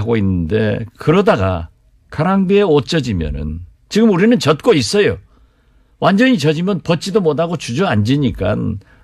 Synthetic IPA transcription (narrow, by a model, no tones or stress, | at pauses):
aɡoinːɯnde̞̰kɯɾʌdaɡa̰ | kʰaɾaŋbie̞ot͡ɕ͈ʌd͡ʑimjʌ̰nɯ̰n | t͡ɕiɡɯmuɾinɯnt͡ɕʌt̚k͈ois͈ʌjo | wʔand͡ʑʌɲit͡ɕʌd͡ʑimjʌnpʌt̚t͡ɕ͈idomodaɡot͡ɕud͡ʑʌand͡ʑiɲik͈a̰n